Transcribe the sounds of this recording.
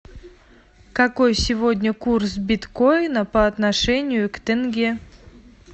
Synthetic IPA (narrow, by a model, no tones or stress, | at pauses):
kakojsʲɪvod̪ʲnʲəkursbʲɪt̪kojnəpəɐt̪naʂɛnʲɪjʊkt̪ʲɛnɡʲe